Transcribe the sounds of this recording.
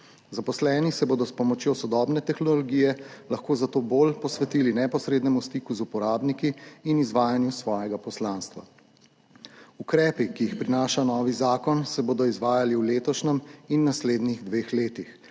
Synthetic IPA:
zapɔslɛːnisɛboːd̪ɔspɔmɔt͡ʃjosɔd̪ɔːbnɛt̪ɛxnɔllɔɡiːjɛlɐxkoːzat̪oːboːlpɔsʋɛt̪iːlinɛpɔsɾeːd̪nɛmust̪ikuzupɔɾaːbnikiːnizʋaːjanjusʋɔːjɛɡapɔslaːnst̪ʋa̰ | ukɾɛːpikiːxpɾinaːʃanɔːʋizaːkɔnsɛboːd̪ɔizʋaːjaliwleːt̪ɔʃnɛminːasleːd̪niɣd̪ʋeːxleːt̪ix

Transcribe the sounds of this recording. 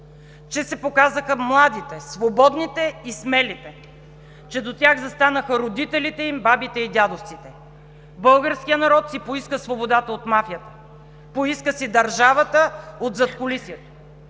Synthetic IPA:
t͡ʃɛsɛpokazəxəmlˠad̪it̪ɛsvobɔd̪nit̪ɛismɛlit̪ɛ | t͡ʃɛd̪ot̪ʲaɣzɐst̪anəxəɾod̪it̪ɛlit̪ɛimbabit̪ɛid̪ʲad̪oft̪sit̪ɛ | bɤlˠɡəɾskʲijənɐɾɔt̪sipoiskəsvobod̪at̪əot̪mafijət̪ə̥ | poiskəsid̪ɐɾʒavət̪əot̪zɐt̪kolisiɛt̪o̥

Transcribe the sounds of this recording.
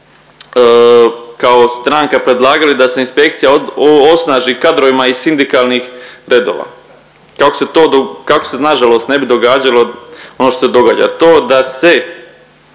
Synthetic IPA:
kao̞st̪ɾaŋkapɾe̞d̪lˠaːɡalid̪ase̞inspe̞k̚t̪sijaosnaːʒikad̪ɾoʋimaisind̪ikaːlˠniːxɾe̞d̪o̰ːʋa̰ | kakose̞t̪oːd̪okako̥senaʒalo̞ːst̪ne̞bid̪o̞ɡaːd͡ʑalˠo̞o̞noʃt̪osed̪o̞ɡa̰ːd͡ʑa̰t̪oːd̪ase̞

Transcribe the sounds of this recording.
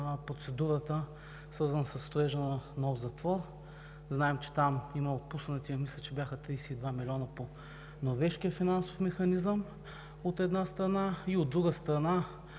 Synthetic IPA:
pɾot̪sɛd̪uɾət̪ə | svəɾzɐnəsɐsːt̪oɛʒənənɔfzɐt̪vɔɾ | znaɛmt͡ʃɛ̥t̪amiməot̪̚pusnət̪ʲimislʲɛt͡ʃɛbjaxət̪ɾijsɛid̪vamilʲɔnəpo | noɾvɛʃkiəfinanso̥fmɛxɐnizəm | ot̪ɛd̪nast̪ɾɐnaiod̪ːɾuɡəst̪ɾɐna

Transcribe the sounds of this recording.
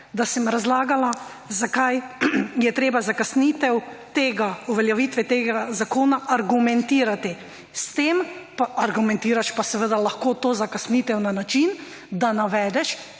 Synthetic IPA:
d̪asɛmɾazlaːɡala | zakajjɛt̪ɾeːbazakasnit̪ɛwt̪eːɡauʋɛljɛʋit̪ʋɛt̪eːɡazakoːnaʔaɾɡumɛnt̪iːɾat̪i | st̪eːmpaʔaɾɡumɛ̃nt̪iːɾaʃpasɛʋəd̪alaxkoːt̪oːzakasniːt̪ɛwnanat͡ʃin | d̪anaʋɛːd̪ɛʃ

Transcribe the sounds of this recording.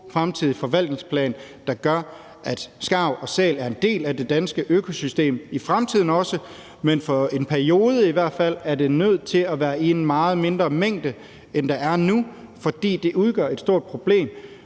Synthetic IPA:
fʁamt͡sʰiðˠifɒ̽ʋæl̰d̥ne̝ŋspʰlɛ̰ːn | d̥ɑ̈ɡ̥ɶɐ | ʔæd̥sɡ̥ɑ̈ʊ̰ɒ̽sɛ̰ːlæɐe̝nd̥e̝̰ːlæde̝d̥ænsɡ̥əʔøkʰo̝sysd̥e̝̰ːmifʁamt͡sʰið̞̰ˠn̩ɒ̽sə | menfɒ̽e̝npʰæɐio̝ːð̞ˠəiʋæɐ̰d̥fæl̰æɐde̝nøð̞̰ˠt͡sʰe̝læʋæːɐenn̩mɑ̈ːð̞̩ˠme̝nd̥ʁɐmeŋ̰d̥ə | end̥ɑ̈æɐnufɒ̽d̥ḭːd̥e̝ʔuð̞ˠɡ̥ɶɐ̰e̝d̥sd̥o̝ɐ̰d̥̚pʰʁo̝b̥le̝̰ːm

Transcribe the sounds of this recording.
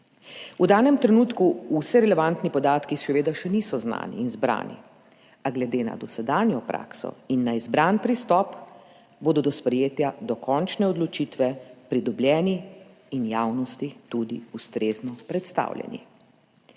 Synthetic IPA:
ud̪aːnɛmt̪ɾɛnuːt̪kuusɛɾɛlɛʋant̪nipɔd̪aːt̪kiʃɛʋeːd̪aʃɛnisɔzna̰ːnḭːnzbɾa̰ːnḭ | aɡlɛd̪eːna̰d̪ɔsɛd̪aːnjɔpɾa̰ːksɔ̰inːaizbɾanpɾist̪ɔp | boːd̪ɔd̪ɔspɾɛjeːt̪jad̪ɔkʰɔnt͡ʃnɛɔd̪lɔt͡ʃit̪ʋɛpɾid̪ɔbljɛːniː | njaːwnɔst̪it̪ud̪iust̪ɾeːznɔpɾɛt̪st̪a̰ːwljɛ̰nḭ

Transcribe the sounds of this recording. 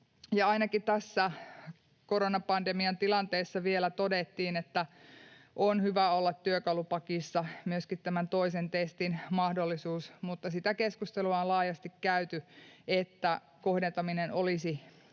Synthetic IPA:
jɑɑinɑkit̪æsːæ | koɾonɑpɑndemiɑnt̪ilɑnt̪eːsːɑʋielæt̪odet̪ːiːnet̪ːæ | ʔonhyʋæolːɑt̪ːyøkɑlupɑkisːɑmyøskit̪t̪æmænt̪oisent̪est̪inmɑhdolːisuːsmut̪ːɑsit̪ækeskust̪eluɑolɑːjɑst̪ikkæyt̪yet̪ːæ | kohdent̪ɑminenolisi

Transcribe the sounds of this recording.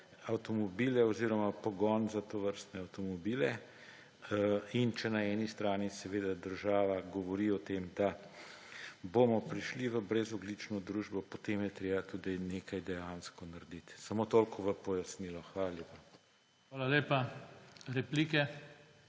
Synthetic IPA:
awt̪ɔmɔbiːlɛɔziɾɔmapɔɡɔnzat̪oʋəɾst̪nɛawt̪ɔmɔbilɛ | int͡ʃɛnaɛːnist̪ɾaːnisɛʋeːd̪ad̪əɾʒaːʋaɡɔʋɔɾiɔt̪eːmd̪a | bomɔpɾiʃliʋəbɾɛzɔɡlit͡ʃnɔd̪ɾuːʒbɔpɔt̪emjɛt̪ɾeːbat̪uːd̪ineːkajd̪ɛjanskɔnaɾd̪it̪samot̪oːlkɔʋəpɔjasniːlɔxʋaːlaljeːpa | xʋaːlaleːpa | ɾɛpliːkɛ

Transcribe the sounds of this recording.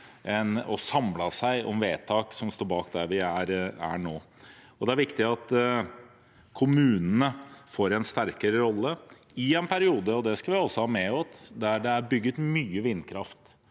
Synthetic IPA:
ʔɛnɔsɑmlɑsæɪʔɔmʋeːt̪ʰɑːksɔmst̪oːɾbɑːkd̪æɾʋɪæɾæ̰ɳoː | ɔd̪ɛæɾʋɪkt̪ɪɑt̪ | kʰʊmʉːnənəfoːɾɛnst̪æɾkəɾəɾɔlːə | ɪɛnpʰæɾɪuːd̪əɔd̪ɛskɑʋɪɔsːɔhɑːmɛɔt̪d̪æɖɛæɾbʏɡːət̪myːəʋɪnːkʰɾɑft̪

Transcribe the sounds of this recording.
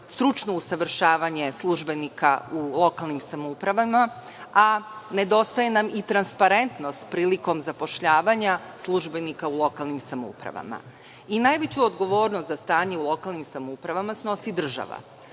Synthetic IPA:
st̪ɾut͡ʃnousaʋr̩ʃaːʋaɲe̞slˠuʒbe̞nika̰ulˠo̞kalˠnimsamoupɾaʋama | ane̞d̪o̞st̪ajenamit̪ɾanspaɾe̞nt̪no̞st̪pɾiːliko̞mzapo̞ʃʎaːʋaɲa | slˠuʒbe̞nikaulˠo̞kalnimsamo̰ṵpɾa̰ʋa̰ma̰ | inajʋet͡ɕuod̪ɡo̞ʋo̞ːɾnost̪zast̪aːɲeulˠo̞kalˠnimsamoupɾaʋamasno̞sid̪r̩ʒa̰ʋa̰

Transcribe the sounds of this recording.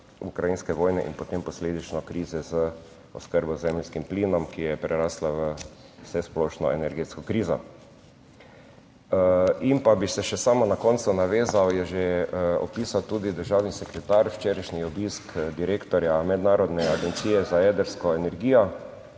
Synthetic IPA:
ukɾajinskɛʋoːjnɛʔḭnpɔt̪empɔsleːd̪it͡ʃnɔkɾiːzɛzə | ɔ̰skəɾbɔzɛmlskimpliːnɔmkijɛpɾɛɾaːslaʋə | sɛsplɔːʃnɔɛnɛɾɡeːt̪skɔkɾiːzɔ̰ | impabisɛʃɛsaːmɔnakɔnt̪sunaʋeːzawjɛʒeɔ̰piːsawt̪uːd̪id̪əɾʒawnisɛkɾɛt̪aɾwt͡ʃeːɾaʃniɔbiskd̪iɾeːkt̪ɔɾjamɛd̪naːɾɔd̪nɛaɡɛnt̪siːjɛzajɛːd̪əɾskɔɛnɛɾɡiːjɔ

